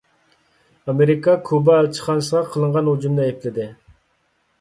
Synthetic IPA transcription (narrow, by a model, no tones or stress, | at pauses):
ɑmeɾikʰɑkʰubɑːlt͡ʃʰə̥χɑnsəʁɑqʰəlˠəɴʁɑnhud͡ʒumnɨepʰlɪd̪ɪ